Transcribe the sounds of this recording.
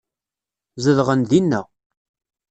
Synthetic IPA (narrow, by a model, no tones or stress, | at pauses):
zəðʁənðinːæ